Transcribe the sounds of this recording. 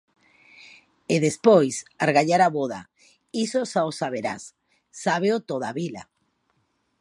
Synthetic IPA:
eðespojsaɾɣaʎaɾaβoða̰ | isosaosaβ̞eɾa̰sː | aβeot̪oðaβila̰

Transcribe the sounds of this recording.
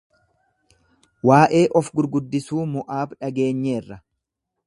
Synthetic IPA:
waːʔe̞ːʔɔfɡʊɾɡʊd̪ːɪsuːmʊʔaːbᶑɐɡe̞ːɲːe̞ːrːɐ

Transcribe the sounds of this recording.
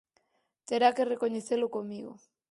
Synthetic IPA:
t̪eɾakerekoɲeθelokomiɣo̰

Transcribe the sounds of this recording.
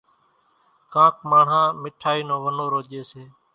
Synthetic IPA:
kãːkməɳ̤ɦãːmɪʈʰaːiːnõːʋənõːɾoːʄeːseː

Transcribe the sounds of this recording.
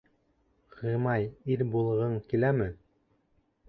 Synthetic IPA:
qɤ̆mɑjiɾbulˠʁɤɴkilæmɘ

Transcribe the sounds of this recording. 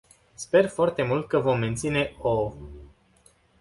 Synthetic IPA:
spe̞rfoart̪e̞mult̪̚kəvo̞mːe̞nt̪sine̞o

